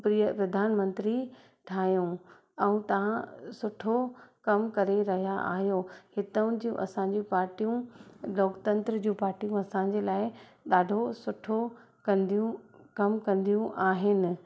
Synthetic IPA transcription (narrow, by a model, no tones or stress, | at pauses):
pɾijəpɾɐd̪ʱaːnmɐ̃nt̪ɾi | ʈʰaːjũ | ɛ̃ũt̪ɐʋ̤ãsʊʈʰokɐmkɐɾeɾɐɦijaʔa̰ːɦjohɪt̪əʊ̃d͡ʑiṵ̃ʔɐ̰sãɲ̆d͡ʑĩpaːɾʈijũloːkt̪ɐ̃nt̪ɾəd͡ʑũːpaːɾʈijũɐsãɲd͡ʑeːlaːɪ | ɗ̪aːɖʱosʊʈʰo | kɐ̃nd̪ijũkɐmkɐ̃nd̪ijũʔaːɦɪnɪ̆